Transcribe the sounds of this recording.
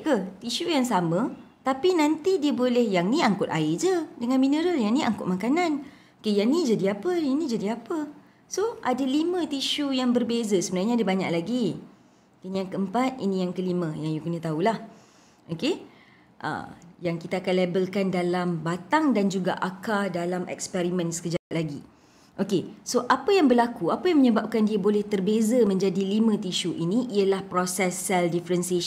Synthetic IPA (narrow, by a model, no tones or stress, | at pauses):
kət̪iʃujaŋsamə̃ | t̪apinant̪idiəbolɛhjaŋnĩaŋkʊt̪̚aɪd͡ʒədəŋanminəɾəjaŋnĩʔa̰ŋkʊt̪̚makanan | okejaŋnĩd͡ʒadiapəjaŋnĩd͡ʒadiapə | soʔadalimə̃t̪iʃujaŋbərbezasəbənarɲadiəbaɲak̚laɡi | inijaŋkəəmpat̪̚inĩjaŋkəlimə̃jaŋjukənət̪aulah | ʔoke | ʔə̰jaŋkit̪aːkanlebəlkandalambat̪aŋdand͡ʒuɡaʔakadalamʔɛ̰k̚spɛɾimə̃nsə̥kəd͡ʒalaɡḭ | ʔokesoʔapəjaŋbərlakuapajaŋməɲəbap̚kandiabolɛht̪ərbezamə̃ɲd͡ʒadilimə̃t̪iʃuʔiniʔiəlahpɾosɛsːɛldifəɾɛnsie